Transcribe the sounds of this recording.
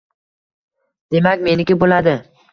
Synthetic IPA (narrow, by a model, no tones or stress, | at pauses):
d̪̥e̞makʲme̞nɪkʲɪbolad̪ɪ